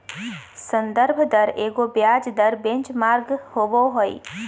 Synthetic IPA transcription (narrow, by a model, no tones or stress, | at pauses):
sə̃nd̪əɾbʱd̪əɾeːɡobjaːd͡ʒd̪əɾbẽɲt͡ʃmaːɾɡhoboɦoḭː